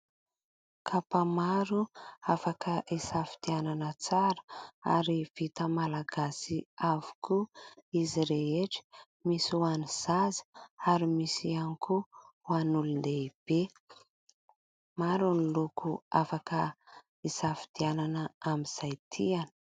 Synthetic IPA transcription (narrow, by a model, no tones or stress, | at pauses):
kʰapamaɾuafakʰəʔisafi̥d̪̥iananət͡saɾə̥a̰ɾiv̥it̪əmalaɡasiavu̥kuiziɾeeʈ͡ʂə̥ | misuaniz̥azə̥aɾimisianiku | wanulund̪eib̥e | maɾunilukuafakə | isafi̥d̪̥iananəamiz̥ajt̪ʰianə̥